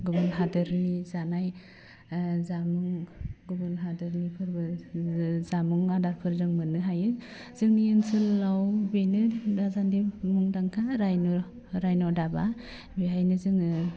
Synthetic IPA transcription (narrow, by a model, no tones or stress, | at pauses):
ɡubunɦadɯɾnizanaj | zamuŋɡubunɦadɯɾnipʰɯɾbɯ | zamuŋadaɾpʰɯɾzɯŋmɯnɯɦajɯ | z̥ɯŋniɯnsɯlːawbejnɯdazandimuŋdaŋkʰaɾajnɔ | ɾajnɔdaba | biɦajnɯzɯŋɯ